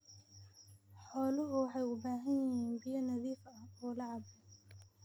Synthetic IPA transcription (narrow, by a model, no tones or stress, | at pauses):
ħɔːlʊʊwɑħɑjʊbaːɦɐnjɪɦiːnbɪjɐnɐðiːfɐhɔːlɑʕɑbɪ